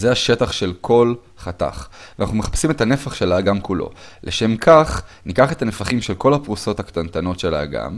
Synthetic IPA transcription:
zeaʃe̞taχʃe̞lkʰo̞l | χata̰χanaχnumeχḁpsimetane̞faχʃe̞laːɡamkulo̞̰le̞ʃe̞mkʰaχnikaχe̞t̪anefaχimʃe̞lko̞lhapʁuso̞thakt̪ant̪ano̞tʃe̞la̰ːɡa̰m

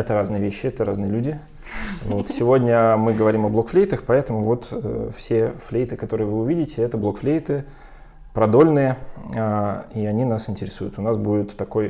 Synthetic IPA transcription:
ɛt̪əɾaznɨjəvʲeɕːɪɛt̪əɾaznɨjəlʲudʲɪ | vot̪sʲɪvo̞dʲnʲəmɨɡəvɐɾʲimɐblˠo̞kflʲejt̪əxpɐɛt̪əmʊvo̞t̪ə̰fsʲe̞flʲejt̪ɨkɐt̪o̞ɾɨjəvɨʊvʲidʲɪtʲɪɛt̪əblˠo̞kflʲejt̪ɨ | pɾɐd̪o̞lʲnɨjəaiɐnʲinasɪnʲtʲɪɾʲɪsujʊt̪ʊnasbudʲɪt̪ːɐko̞j

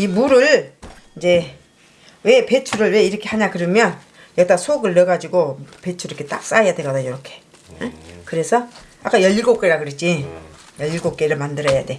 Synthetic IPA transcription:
imuɾɯɭ | id͡ʑe̞ | we̞pet͡ɕʰuɾɯɭwe̞iɾʌkʰe̞haɲakɯɾʌmjʌn | jʌk̚t͈asʰoɡɯɭːʌɡad͡ʑiɡope̞t͡ɕʰuɾikʰet͈a̰k̚s͈ajadeɡadajʌɾʌkʰe̞ | ekɯɾe̞sʰʌ | ak͈ajʌʎːiɭɡok͈eɾakɯɾet̚t͡ɕ͈ijʌʎːiɭɡok͈̚e̞ɾɯmandɯɾʌjade

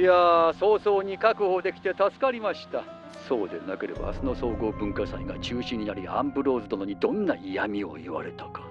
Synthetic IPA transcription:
iaso̞ːso̞ːɲ̟ikakɯ̟hoːd̪e̞kʲi̥t̪e̞t̪asɨ̥kaɾʲimaɕi̥t̪a | so̞ːd̪enake̞ɾe̞ba̰ːsɨno̞so̞ːɡo̞ːbɯ̟̃ŋkasaiɡat͡ɕɨːɕĩɲ̟ːinaɾʲiã̰mbɯ̟ɾo̞ːzɨt̪onoɲ̟id̪õ̞nːaʔijamʲio̞̰iβa̰ɾe̞t̪ḁkḁ

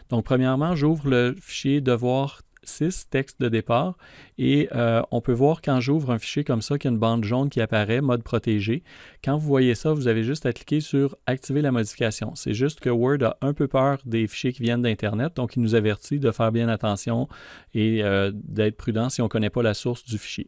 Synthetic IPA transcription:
d̪̥ɔ̃k̚pχəmjɛʁmɑ̃ʒuːvʁləfi̥ʃjed̪əvwaːʁ | sɪst̪ɛkst̪̚d̪əd̪epaːʁeəɔ̰̃pøvwaːʁkɑ̃ʒuːvʁɛ̃fi̥ʃjekɔmsʌkʲɛynbɑ̃d̪ʒɔ̃d̪kʲiapaʁɛmɔd̪̚pχɔt̪eʒekɑ̃vuvwajesʌvuzaveʒʏst̪akli̥kʲesyːʁak̚t̪ivelamɔd̪ifikasjɔ̰̃sɛ̰ʒʏst̪kəwɛ˞d̪a̰ʔɛ̃pøpœːʁd̪efi̥ʃjekʲivjɛnd̪ɛ̃t̪ɛʁnɛt̪̚d̪ɔ̃kilnuzavɛʁt̪id̪əfɛːʁbjɛ̃nat̪ɑ̃sjɔ̃eəd̪ɛːt̪χpʁyd̪ɑ̃siɔ̃kɔnɛpʌlasʊʁsd̪yfi̥ʃjḛ

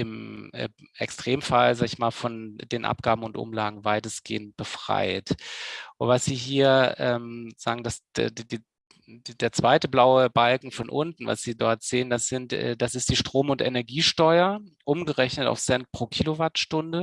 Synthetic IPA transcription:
ʔɪm̰ː | ʔɛ̰kstʁ̥eːmfalzaːɡəɪçmaːlfɔndeːnʔa̰p̚ɡ̥aːbm̩ʊntʔʊ̰mlaːɡŋ̩vaɪtəsɡ̥ḛːənt̚b̥əfʁ̥a̰ɪt | vasz̥iːɦiːɐʔɛːmz̥a̰ːɡŋ̩dasddiː | deːɐt͡sv̥aɪtəblaʊəbalkŋ̩fɔnʔʊntn̩va̰sz̥iːdɔɐtz̥eːəndasz̥ɪntɛ̰ːdasɪstd̥iːʃtʁ̥oːmʊntʔɛnɛɐɡiːʃtɔʏɐʔʊmɡəʁɛçnəta̰ʊfsɛnt̚pʁ̥oːkʰiːlovaɐtʃtʊndə

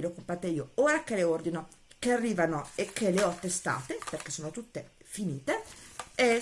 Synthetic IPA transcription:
elokompɾat̪ːeiːooːɾak̟eleord̪ino | kearːiːvanoekʰːeleɔt̪ːest̪a̰ːt̪eperkesːoːnot̪ut̪ːefiniːt̪ee

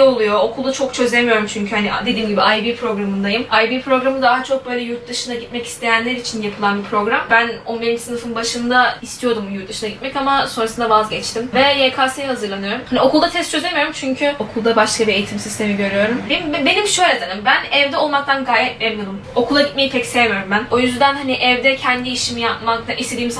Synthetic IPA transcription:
olˠujo̞okʰulˠd̪at͡ʃʰo̞kt͡ʃʰø̞zʲemijo̞ɾumt͡ʃʰyɲcʰyhanid̪e̞d̪iːmɟibiajbiːpʰɾo̞ɡɾamɯnd̪ajɯmajbiːpʰɾo̞ɡɾamɯd̪aɦat͡ʃʰo̞k̚bø̞ːjlʲɛjuɾt̪̚d̪ɯʃɯnaɟit̪mɛci̥st̪ʰe̞jænlʲeɾit͡ʃʰinjapʰɯlˠanbipʰɾo̞ɡɾambæno̞nbiɾind͡ʒisɯnɯfɯnbaʃɯnd̪aist̪ʰijo̞ɾd̪umjuɾt̪d̪ɯʃɯnaɟit̪mɛcamaso̞nɾasɯnd̪avazɟɛt͡ʃt̪imvɛjekʰaːsɯhazɯɾlˠanɯjo̞ɾumhanio̞kʰulˠd̪at̪ʰɛst̪t͡ʃʰøzemijo̞ɾumt͡ʃʰyɲcʰyo̞kʰulˠd̪abaʃkʰabie̞jit̪ʰimsist̪ʰe̞miɟø̞ɾyjo̞ɾumbmbbe̞nimʃø̞jlʲed̪enimbænɛvd̪ɛo̞lˠmak̚t̪ʰanɡaːjɛt̪̚bɛvʲod̪umo̞kʰulˠaɟit̪meipʰɛcsɛvɾumbæno̞jyzd̪ænhaniʔɛvd̪ɛcʰɛnd̪iːʃimijapmak̚t̪ʰaʔist̪e̞d̪iːims

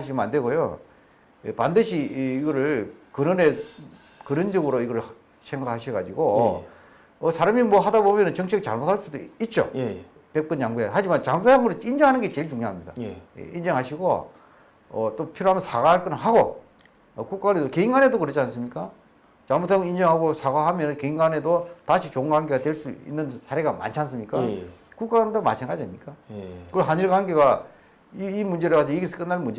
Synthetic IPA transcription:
aɕʰimandwe̞ɡojo̰ | ḛpandɯɕʰiːɡʌɾɯɭkɯnɯne̞ | kɯnɯnd͡ʑʌɡɯɾoiɡʌɾɯɭ | sʰeŋɡakʰaɕʰiɡad͡ʑiɡo | ʌsʰaɾamimwʌɦadabomjʌnɯnt͡ɕʌŋt͡ɕʰek̚t͡ɕaɭmotʰaɭs͈udoit̚t͡ɕ͈o̰ | pe̞k̚k͈ɯnt͡ɕaŋɡuehad͡ʑimant͡ɕaŋɡuaŋɯɾoind͡ʑʌŋɦanɯnŋɡet͡ɕe̞ɭt͡ɕuŋɲoɦamɲida̰jḛʔind͡ʑʌŋɦaɕʰiɡo̰ | ʌ̰t͈opʰiɾoɦamjʌnsaɡaaɭk͈ɯnɦaɡo | ʌkuk͈anedokeiŋɡanedokɯɾʌt͡ɕʰians͈ɯmɲik͈a | t͡ɕamutʰaŋind͡ʑʌŋɦaɡosʰaɡaɦamjʌnɯnkeiŋɡane̞dotaɕʰit͡ɕoŋɡwaŋɡe̞ɡatwe̞ɭs͈uḭnːɯnsʰaɾe̞ɡama̰nt͡ɕʰans̬ɯmɲik͈akuk͈and̪oma̰t͡ɕʰaŋɡad͡ʑiamɲik͈akɯɦaɲiɭkwaŋɡeɡa | iimund͡ʑeɾɯkwad͡ʑʰoiɡesʰɯk͈ɯnːaɭmund͡ʑe

